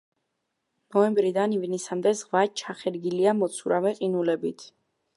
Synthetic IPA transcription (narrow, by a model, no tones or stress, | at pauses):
nɔɛmbɾid̪anivnisamd̪ɛzʁvat͡ʃʰaχɛɾɡiliamɔt̪sʰuɾavɛqʼinulɛbit̪ʰ